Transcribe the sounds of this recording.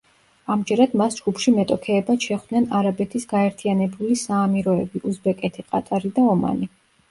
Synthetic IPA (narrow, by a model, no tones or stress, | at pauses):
amd͡ʒɛɾad̪̥masd͡ʒɡupʰʃimɛt̪ʼɔkʰɛːbasʃɛχwd̪̥nɛnaɾabɛt̪ʰisɡaɛɾt̪ʰianɛbulisaːmiɾɔɛbiʔuzbɛkʼɛt̪ʰiqʼat̪ʼaɾid̪aɔma̰ni